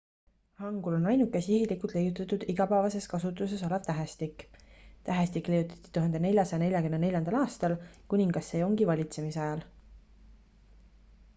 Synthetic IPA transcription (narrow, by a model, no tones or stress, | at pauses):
hɑŋɡ̥ulo̞nɑjnukːˑesihilikˑult̪ˑlejut̪ːˑɑt̪ːˑud̪̥iɡ̥ɑpæːvɑse̞skɑsut̪ːˑuse̞so̞lev̥t̪æɦæst̪ikːˑt̪æɦæst̪ikle̞jut̪ːˑɑ̥t̪ːˑi̥t̪uɦhɑnd̪ene̞lʲjɑsɑjɑne̞lʲjɑkymnene̞lʲjɑnd̪ɑlɑːst̪ɑlkunʲiŋɡ̥ɑsːe̞ːoŋɡivɑlʲit̪se̞misɑjɑl